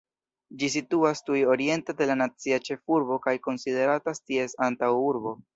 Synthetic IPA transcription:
d͡ʒisituastujo̞ɾie̞ntede̞lanat͡siat͡ʃe̞fuɾbo̞kajko̞nside̞ɾatastie̞santawuɾbo̞

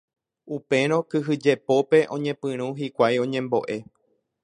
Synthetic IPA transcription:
upe̞ɾ̃õ̞kɨɦɨd͡ʒe̞po̞pe̞ʔõ̞ɲẽ̞pɨ̃ɾ̃ũɦikʷajõ̞ɲẽ̞mbo̞̰ʔe̞

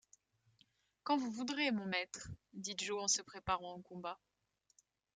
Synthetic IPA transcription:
kɑ̃vuvud̪ʁemɔ̃mɛt̪χd̪iʒoɑ̃səpχepaʁɑ̃ɑ̃kɔ̃ba

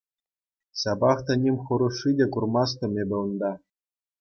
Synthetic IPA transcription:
sɑbɑχt̪anʲemʲχɤ̆ɾuʂːidʲekurmɑs̬t̪ɤ̆mʲebʲɘ̆ɤ̆nd̪ɑ

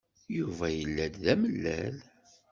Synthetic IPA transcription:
juvæjəlːæd̪ðæməlːæl

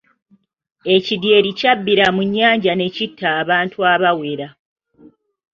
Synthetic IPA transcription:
e̞cidje̞ːɾicabːiɾamuɲːaːɲɟane̞citʰːaːβaːntʰuaβawe̞ɾa

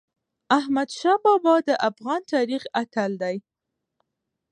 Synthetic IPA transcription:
ahmad̪ʃɑbɑbɑd̪əʔafɣɑnt̪ɑɾixat̪ald̪aj

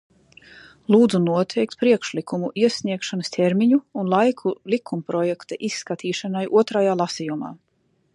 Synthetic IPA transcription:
lˠuːd̪zunuɔt̪ʰɛjk̚t̪̚pɾiɛkʃlikʰumuʔiɛsʲniɛkʃanəst̪ʰʲɛɾmiɲuːnlˠajkʰulʲˠikʰumpɾɔjɛkt̪aʔisːkat̪ʰiːʃanajʔuɔt̪ɾajaːlˠasijuma̰ː

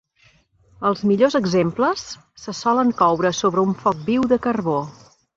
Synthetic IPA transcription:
əlˠzmiʎozəɡzempləsː | əsɔləŋkɔwɾəsoβɾəuɱfɔk̚biwðəkərβo

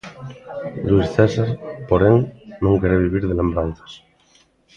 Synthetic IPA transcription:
lwisθesaɾpoɾeŋnõŋkeɾeβiβ̞iɾðelẽ̞mbɾanθḁs

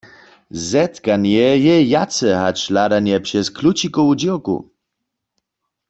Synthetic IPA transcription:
zɛt̪kanjɛjɛjat͡sɛɦat͡ɕlad̪anjɛpʂɛskʰlut͡ɕikɔud͡ʑiwkṵ

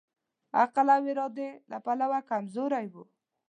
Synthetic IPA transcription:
a̰qalawɪɾɑd̪elapalawakamzoɾajwu

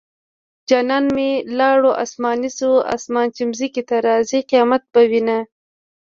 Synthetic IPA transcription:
d͡ʒɑnɑːnmelɑɽoʔa̰smɑːnisua̰smɑnt͡ʃimzikit̪aɾɑːziqijɑːmat̪̚bawina

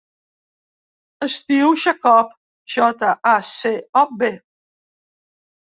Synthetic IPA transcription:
əst̪iwʃakɔp | ʒɔt̪aʔaseɔbe

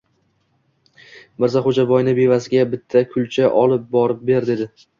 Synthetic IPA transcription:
bɪɾzaχod͡ʒabɒjnɪbe̞vasɪɡʲabɪt̪ʰːakʰʊlt͡ʃʰaʔɒlˠɪp̚bɒɾɪp̚be̞ɾd̪ed̪ɪ

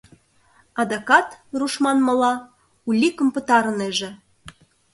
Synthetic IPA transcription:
ɑd̪ɑkɑt̪ruʃmɑnmɤ̆lɑ | ulʲikəmpə̆t̪ɑɾɤ̆neʒĕ

